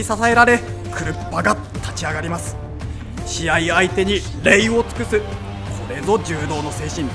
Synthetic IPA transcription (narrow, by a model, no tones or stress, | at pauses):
isasae̞ɾaɾe̞ | kɯ̟ɾɯ̟pːaɡa | t̪ʰḁt͡ɕiaɡaɾʲimasɨ̥ | ɕiaiait̪e̞ɲ̟i | ɾe̞io̞t͡sɨ̥kɯsɨ | kʰo̞ɾe̞zo̞d͡ʑɨːd̪o̞ːno̞se̞ːɕĩn